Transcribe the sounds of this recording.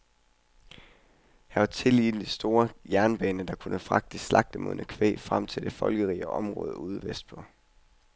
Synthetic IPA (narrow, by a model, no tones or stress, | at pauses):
hæʋɑ̈t͡sʰe̝lḭːd̥n̩d̥isd̥o̝ːɐjæɐnb̥ɛːnəd̥ɑ̈kʰunəfʁɑ̈ɡ̥̚d̥əslɑ̈ɡ̥̚d̥əmo̰ðˠnækʰʋḛːfʁam̰t͡sʰe̝ld̥e̝fɒ̽lɡ̥əʁḭːɒɒ̽mʁɔ̽ːð̞ˠəuð̞̩ˠʋesd̥̚b̥ʰɒ̽